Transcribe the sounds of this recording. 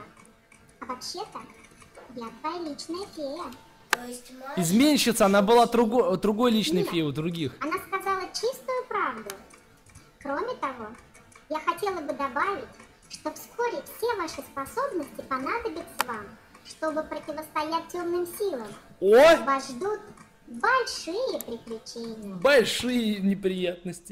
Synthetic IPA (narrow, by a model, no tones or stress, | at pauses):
ɐvɐpɕːet̪ə | lʲat̪vɐjalʲit͡ɕnəjəfʲejə | ɪzmʲenʲɕɪt̪səɐnabɨlˠad̪ɾʊɡd̪ɾʊɡo̞jlʲit͡ɕnɨjfʲejʊd̪ɾʊɡʲixɐnaskɐzalˠət͡ɕist̪ʊjʊpɾavd̪ʊ | kɾo̞mʲɪt̪ɐvo̞ | jaxɐtʲe̞lˠəbɨd̪ɐbavʲɪtʲ | ʂt̪o̞fsko̞ɾʲɪfsʲe̞vaʂɨspɐso̞bnəsʲtʲɪpɐnad̪əbʲɪt̪səvam | ʂt̪o̞bɨpɾətʲɪvəst̪ɐjæt̚ʲːomnɨmsʲilˠəmovɐʐd̪ut̪ | bɐlʲʂɨjəpɾʲɪkɾʲɪt͡ɕenʲɪbɐlʲʂɨjənʲɪpɾʲɪjat̪̚nəsʲtʲɪ